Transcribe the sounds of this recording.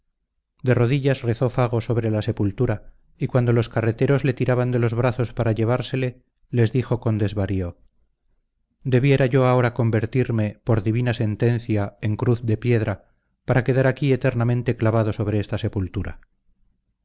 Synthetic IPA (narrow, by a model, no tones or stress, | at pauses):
d̪e̞ro̞ðiʎasre̞θo̞faɣ̞o̞so̞βɾe̞lase̞pult̪uɾa | ikwand̪o̞lo̞skare̞t̪e̞ɾo̞zle̞t̪iɾaβand̪e̞lo̞zβɾaθo̞spaɾaʎe̞β̞aɾse̞le̞ | le̞zðixo̞ko̞nd̪e̞zβaɾio̞ | d̪e̞βje̞ɾaʝo̞ao̞ɾako̞mbe̞ɾt̪iɾme̞po̞ɾðiβinase̞nt̪e̞n̟θjae̞ŋkɾuθd̪e̞pje̞ðɾa | paɾake̞ðaɾakie̞t̪e̞ɾnamẽ̞nt̪e̞klaβaðo̞so̞βɾe̞est̪ase̞pult̪uɾa̰